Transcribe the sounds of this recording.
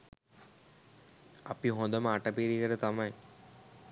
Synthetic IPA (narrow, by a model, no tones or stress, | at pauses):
ɐpiɦõnd̪ɐməaʈɐpiɾikəɾət̪amɐj